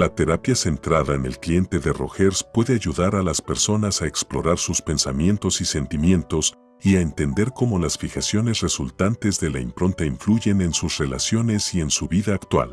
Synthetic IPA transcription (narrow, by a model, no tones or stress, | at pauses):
lat̪e̞ɾapjase̞nt̪ɾaðaene̞lklje̞nt̪e̞ðe̞ro̞̰xeɾspwe̞ðe̞aʝuðaɾalaspe̞ɾso̞nasae̞ksplo̞ɾaɾsuspe̞nsamje̞nt̪o̞sise̞nt̪imje̞nt̪o̞s | iaent̪e̞nd̪e̞ɾko̞mo̞lasfixasjo̞ne̞sre̞sult̪ant̪e̞zðe̞laimpɾo̞nt̪aiɱfluʝe̞ne̞nsusre̞la̰sjo̞ne̞sie̞nsuβiðaːkt̪wa̰l